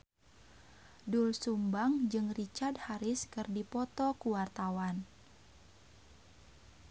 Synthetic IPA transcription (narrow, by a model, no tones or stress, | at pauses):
dulsumbaŋd͡ʒɨŋrit͡ʃard̚haɾɪskɨrdipɔt̪ɔkuwart̪awan